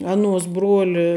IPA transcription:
ˈɑːnuɔs ˈbruɔlʲɪ

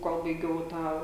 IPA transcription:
ˈkoːlˠ bɐɪˈɡʲɛʊ ˈtɑː

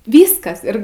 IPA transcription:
ˈʋʲiːskɐs ˈɪr

